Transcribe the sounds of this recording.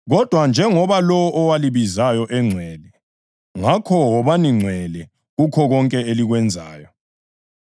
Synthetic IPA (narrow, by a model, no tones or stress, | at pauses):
ɣɔd̥ʱwand͡ʒʱɛŋɔβalɔwɔʔɔwaliβizajɔʔɛŋ͡ǀʱwɛlɛ | ŋakʰɔwɔβaniŋ͡ǀʱwɛlɛ | ɣukʰɔɣɔŋkʼɛeliɣwɛnd͡zʱa̰ːjɔ